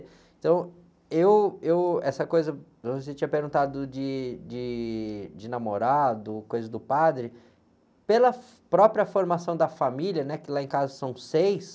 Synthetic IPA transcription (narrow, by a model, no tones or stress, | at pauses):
ẽt̪ɐ̃w̃ | ewewɛsɐkojzɐ | oset͡ʃĩɲɐpeɾɡũt̪ad̪ʊd͡ʒɪd͡ʒɪd͡ʒɪnamoɾad̪ʊkojzɐzd̪ʊpad̪ɾɪ | pelɐ | pɾɔpɾiɐfoɾmasɐ̃w̃d̪ɐfamiliɐnɛkɪlaẽkazɐsɐ̃w̃sejs